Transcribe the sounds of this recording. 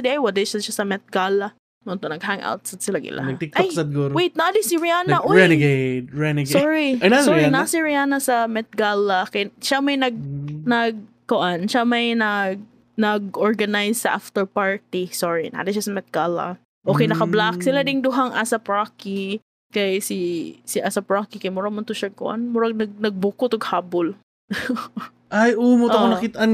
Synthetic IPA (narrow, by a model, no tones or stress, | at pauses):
d̪ɛʔajwɐd̪ɛʃaʃasɐmɛt̪̚ɡalɐ | nont̪onɐɡhaŋʔa̰wt̪̚sɐd̪sɪlaɡɪ̰lʔa̰nɐɡ̚t̪ɪk̚ʔojksɐd̪̚ɡoɾwejt̪̚nad̪ɪsiɹɪaːnɐʔoɛnɡeɹɛnɪɡsɔɹijasɔinɐsiɹɪaːnɐsɐmɛt̪̚ɡalɐkɐjʃamɐjnɐɡ̚nɐɡ̚ | koʔanʃamɐjnɐɡ̚ | nɐɡʔoɹɡɐnajssɐʔaft̪ɛɹpaɹt̪isoɹina̰d̪ɐʃasɐmɛt̪̚ɡalɐ̰ | ʔokɛjnɐkɐblak̚sɪlad̪ɪŋd̪ʊɦaŋʔasɐpɹaki | kɐjsɪsɪʔasɐpɹakikɐjmʊɾamʊnt̪ʊʃɐkʊ̰ʔa̰nmʊɾaŋnɐɡ̚nɐɡ̚bʊkʊt̪oɡhaːbʊl | ʔajomoɐkonɐkit̪ɐʔan